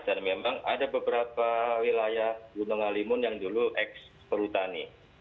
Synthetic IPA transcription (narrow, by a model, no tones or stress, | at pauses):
danmemaŋadabəbəɾapawilajahɡunɔŋalimʊnjaŋduluʔɛk̚s | pəɾut̪ani